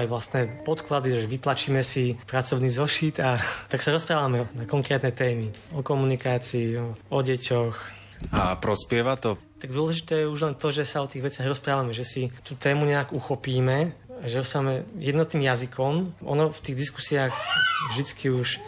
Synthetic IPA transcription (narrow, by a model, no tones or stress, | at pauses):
ajʋlast̪nɛːpɔt̪klad̪iʒɛʋit̪lat͡ʃiːmɛsipɾat͡sɔʊniːzɔʃiːt̪at̪aksaɾɔspɾaːʋamɛnakɔŋkɾɛːt̪nɛt̪ɛːmiɔkɔmunikaːt͡siːɔɔɟɛcɔx | apɾɔspɪɛʋat̪ɔt̪aɡd̪ʊɔlɛʒit̪ɛːjɛuʒlɛnt̪ɔʒɛsaɔt̪iːɣʋɛt͡sɪaɣɾɔspɾaːʋamɛʒɛsit̪ut̪ɛːmuɲɛaɡuxɔpiːmɛaʒɛɾɔspɾaːʋamɛjɛd̪nɔt̪niːmjazikʰɔmʔɔ̰nɔft̪iːɣd̪isku̥siaːxvʒd̪it͡skʰiuʃ